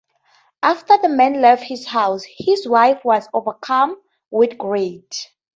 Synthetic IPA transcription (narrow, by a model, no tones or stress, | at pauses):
ʔaftəðəmɛ̃nlɛvd̚hizhawshizwajfwɔzovəkʰãm | wiθɡɹet